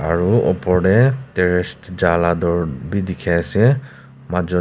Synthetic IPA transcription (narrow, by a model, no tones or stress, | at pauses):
a̰ɹuɔ̰pɔɹdɛtɛɹɛstd͡ʒaladɔɹbidikʰɛasɛ | mad͡ʒɔ